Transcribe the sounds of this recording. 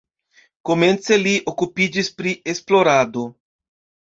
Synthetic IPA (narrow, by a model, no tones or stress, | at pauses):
koment͡seliʔokupid͡ʒispɾiʔesploɾad̪o